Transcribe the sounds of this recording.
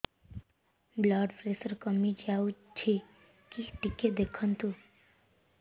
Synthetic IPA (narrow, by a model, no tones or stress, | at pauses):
blaːɖpɾesəɾkəmid͡ʒaut͡ʃʰe | kiʈikːed̪ekʰənt̪u